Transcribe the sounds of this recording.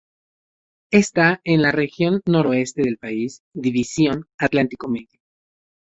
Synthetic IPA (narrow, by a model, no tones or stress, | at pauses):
e̞st̪aenlare̞xjo̞nːo̞ɾoe̞st̪eðe̞lpaisd̪iβisjo̞nat̪lant̪iko̞meðjo